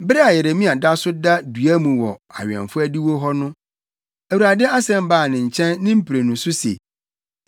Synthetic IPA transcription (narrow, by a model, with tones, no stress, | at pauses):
bɾɛ˦a˨jɛ˨ɾe˨mĩ˦a˨da˦sʊ˦da˦dɥæ˦mũ˨wɔ˨a̰˨ɥɛ̰˨fʊ˦æ˦di˦wo˦ɦɔ˦nʊ̃˦ | æ˨wu˨ɾa˨dɪ˦a˦sɛ̃˦m˦baː˦˨nɪ̃˨ɲ̩˨t͡ɕʰɛ̃˦nːɪ̃˦m̩˦pʰi˨ɾe˨nũ˨sʊ˦sḛ˨